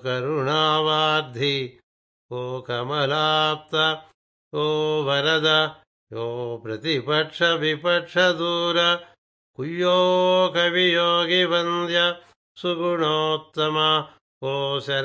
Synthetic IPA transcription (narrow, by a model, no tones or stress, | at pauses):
kɐɾuɳaːʋaːɾd̪ʱi | oːkɐmɐlaːp̚t̪ɐ | oːʋɐɾɐd̪ɐ | joːpɾɐt̪ipɐʈʂɐʋipɐʈʂɐd̪uːɾɐ | kujːoːkɐʋijoːɡibɐnd̪jɐ | suɡuɳoːt̪ːɐmɐ | oːsɐɾ